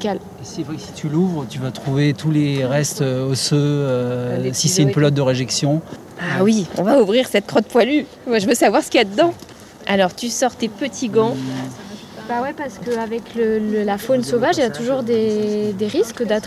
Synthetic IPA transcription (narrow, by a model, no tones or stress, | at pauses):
kal | esiɛsi̥t̪ʰyluvʁət̪yvat̪χuvet̪uleʁɛst̪øosøøsisɛynplɔt̪̚d̪əʁeʒɛksjɔ̃ | awiɔ̃vauvʁiʁsɛt̪̚kχɔt̪̚pwaly | mwaʒəvøsavwaʁsə̥kʲiad̪əd̪ɑ̃ | alɔʁt̪ysɔʁt̪epət̪ʰiɡɑ̃ | bawɛpaʁsə̥kəavɛklələlafonsovaʒilat̪uʒuʁd̪ed̪eʁiskd̪at̪